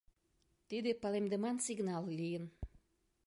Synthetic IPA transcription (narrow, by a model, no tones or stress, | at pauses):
t̪id̪epɑlemd̪əmɑnsiɡnɑlˠlʲijən